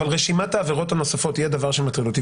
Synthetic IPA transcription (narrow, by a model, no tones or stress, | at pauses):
alʁeʃimat̪aːveʁo̞thano̞safo̞t̪hijed̪avaʁʃemat̪χilut̪i